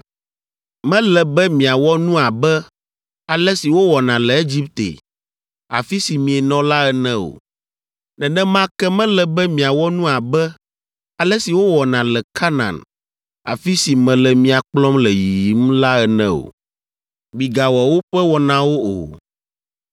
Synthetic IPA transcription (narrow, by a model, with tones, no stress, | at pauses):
mɛ̃˦lɛ˨bɛ˦mĩ˨a˨wɔ˦nũ˦a˨bɛ˦ | a˨lɛ˦si˨wo˦wɔ˨nã˨lɛ˨e˦d͡ʑi˦p̚t̪ḛ˨ | a̰˨fi˦si˨mĩ˨ɛ˨nɔ̃˦la˦ɛ˦nɛ̃˦o̰˨ | nɛ̃˨nɛ̃˦mã˦kɛ˦mɛ̃˦lɛ˨bɛ˦mĩ˨a˨wɔ˦nũ˦a˨bɛ˦ | a˨lɛ˦si˨wo˦wɔ˨nã˨lɛ˨kʰa˦nã̰˨n | a̰˨fi˦si˨mɛ̃˨lɛ˨mĩ˨a˨k͡plɔ˦mlɛ˨ji˨ji˨˦m˦la˦ɛ˨nɛ̰̃˦o̰˨ | mi˨ɡa˨wɔ˨wo˦ɸɛ˦wɔ˨nã˨wo˦o̰˨